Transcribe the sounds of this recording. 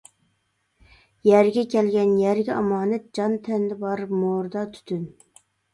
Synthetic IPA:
jæɾɡʲɛkʲʰɛlɡʲɛnjæɾɡʲɛɑmɑːnɛt̪̚d͡ʒɑnt̪ʰɛnd̪ɪbɑɾɨpmoɾd̪ɑt̪ʰy̥t̪ʰyn

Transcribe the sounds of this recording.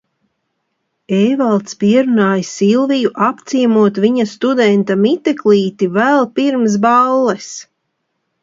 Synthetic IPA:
ejvalˠt̪spiɛɾunaːjsilˠvijuʔapt̪siɛmuɔt̪viɲast̪ud̪ɛnt̪amit̪ekliːt̪ivælˠpiɾms̬balˠːɛs

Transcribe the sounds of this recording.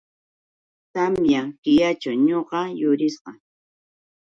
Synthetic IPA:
t̪amjaŋkɪjat͡ʃawɲoɢɑjʊɾɪsqɑ

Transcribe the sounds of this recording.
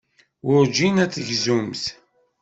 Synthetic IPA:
ʊɾd͡ʒinæt͡sːəʝzumθ

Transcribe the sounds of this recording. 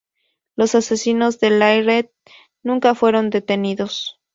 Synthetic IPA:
lo̞sase̞sino̞zðe̞lajɾed̪̚ | nũŋkafwe̞ɾo̞nd̪e̞t̪e̞niðo̞s

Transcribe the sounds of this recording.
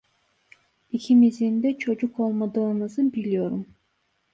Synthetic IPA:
icʰimizind̪ɛt͡ʃʰo̞d͡ʒukʰo̞lˠmad̪ɯːnɯzɯbilʲijo̞ɾum

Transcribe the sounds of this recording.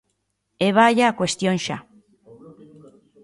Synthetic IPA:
eβaʝakwest̪jonʃa

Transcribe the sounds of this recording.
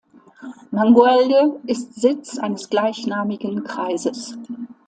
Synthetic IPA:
maŋɡuɛldəʔɪstz̥ɪt͡sʔa̰ɪnəsɡ̥laɪçnaːmɪɡən̩kʁ̥aɪzəs

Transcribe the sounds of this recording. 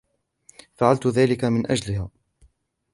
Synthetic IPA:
faʕalt̪ʊðaːlɪkamɪnʔad͡ʒlɪhaː

